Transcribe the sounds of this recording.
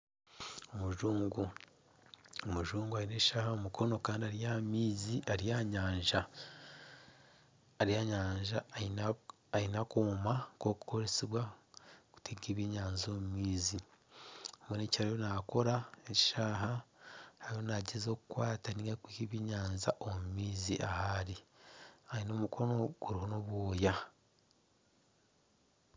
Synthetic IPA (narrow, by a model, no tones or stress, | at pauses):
omuʒuːŋɡu | omuʒuːŋɡuainecʃaːhaomukʰo̞no̞kaːndiaɾijamiːziʔaɾijaɲaːɲʒa | ɾijaɲaːɲʒa | ainakoːmako̞ku̥ko̞ɾesiβwaku̥tʰeɡeːβiɲaːnzo̞mumiːzi | mwenecaɾajonako̞ɾaeci̥ʃaːɦahaɾiho̞naɟezo̞ːkukwaːtaniːŋɡakihiβiɲaːnza̰ʔomumiːziʔahaɾi | aino̞mukʰo̞no̞ɡ̥uɾiɦo̞no̞βwoːja